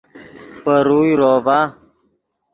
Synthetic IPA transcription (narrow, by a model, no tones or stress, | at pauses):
pəɾujɾoːva